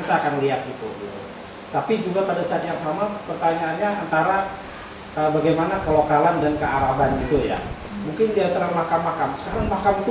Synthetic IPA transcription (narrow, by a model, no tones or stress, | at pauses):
t̪aːkanliat̪̚ɡit̪uɡit̪ṵ | t̪apid͡ʒuɡapadasat̪jaŋsamapərt̪aɲaːnɲaʔant̪aɾa | əbaɡajmanakəlokalandankəaɾaɦanɡit̪uja̰ | muŋkɪndiat̪əɾaŋmakamːakamsə̥kaɾaŋmakamit̪u